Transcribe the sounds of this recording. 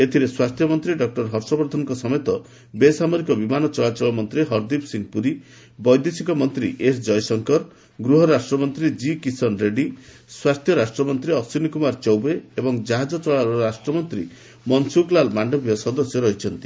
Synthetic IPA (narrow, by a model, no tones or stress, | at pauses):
et̪ʰiɾeswast̪ʰjɔmɔnt̪ɾiɖɔk̚ʈɔɾɦɔɾsɔbɔɾd̪ʱɔnɔŋkɔsɔmɔjt̪ɔ | besamɔɾikɔbimanɔt͡ʃɔɭat͡ʃɔɭɔmɔnt̪ɾiɦɔɾd̪ipsiŋpuɾi | bɔjd̪esikɔmɔnt̪ɾiʔesd͡ʒɔjsɔŋkɔɾ | ɡɾuɦɔɾasʈɾɔmɔnt̪ɾid͡ʒikisɔnɾeɖi | swast̪ʰjɔɾasʈɾɔmɔnt̪ɾiɔsinikumaɾt͡ʃɔwbeebɔŋd͡ʒaɦad͡ʒɔt͡ʃɔɭaɾɔɾasʈɾɔmɔnt̪ɾi | mɔnsuklalmaɳɖɔbijɔsɔd̪ɔsjɔɾɔɦit͡ʃʰɔnt̪i̥